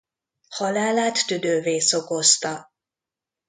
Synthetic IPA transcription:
hɒlaːlaːt̪ːyd̪øːveːsoko̞st̪ɒ

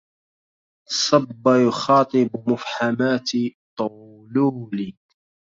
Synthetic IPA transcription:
sˤɑbːajʊxɑːt̪ˤɨbmʊfħamaːt̪t̪ˤʊ | luːlɪk

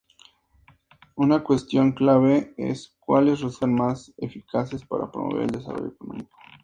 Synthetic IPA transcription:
unakwe̞st̪jo̞ŋklaβeḛskwalesresanmasefikʰase̞spaɾapɾomoβe̞ɾeld̪e̞saro̞̰joekonõ̰miko̥

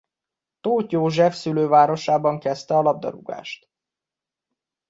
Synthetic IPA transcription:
t̪oːt̪joːʒɛfsyløːvaːɾo̞ʃaːbɒŋkɛst̪ɛɒlɒb̚d̪ɒ̰ɾṵɡa̰ːʃt̪

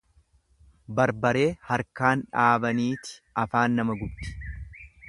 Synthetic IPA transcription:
bɐɾbɐɾe̞ːhɐɾkaːnᶑaːbɐniːt̪ɪ̥ʔɐfaːnːɐmɐɡʊb̪ɪ̥

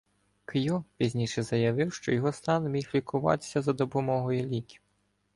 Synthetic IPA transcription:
kjupʲizʲnʲiʂɛzɐjɐʋɪwʃt͡ʃɔjɔɦɔst̪ɑnmʲixlʲikʊʋɑ̰t̪sʲɐzɐd̪ɔpɔmɔɦɔjulʲikʲi̥

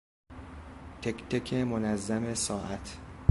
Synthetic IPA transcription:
t̪ʰekt̪ʰecʰemonæzːæmesɒːʔæt̪ʰ

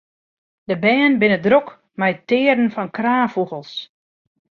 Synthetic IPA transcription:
dəbɛːnbɪnədrok | mɛjətɪːədn̩fɔnkraːfuɣəlˠs

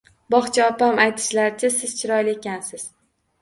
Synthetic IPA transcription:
bɒχt͡ʃʰaɒpamajt̪ʰɪ̥ʃlaɾɪt͡ʃʰasɪz̥t͡ʃʰɪɾɒjlɪekʲansɪz̥

